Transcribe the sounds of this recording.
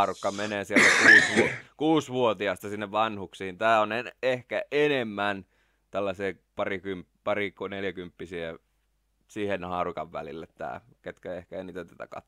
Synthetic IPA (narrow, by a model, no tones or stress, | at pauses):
rukːɑmeneːsielt̪ækuːsʋukuːsʋuot̪iɑst̪ɑsinːeʋʋɑnhuksihint̪æːoneehkæʔenemːæn | t̪ælːæseː | pɑrikymppɑrikoneljækympːisiæ | siːhenhɑːrukɑʋʋæ̰lḭlːet̪t̪æ̰ːket̪kæehkæeiniːt̪æt̪æ̥t̪æ̰kɑ̰t̪ː